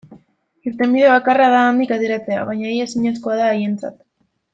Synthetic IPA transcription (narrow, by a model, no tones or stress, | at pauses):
iɾt̪e̞mbiðe̞β̞akaraðaːnd̪ikaðjeɾat͡se̞a̰βajɲaejesiɲasko̞aðaeje̞nt͡sa̰t̪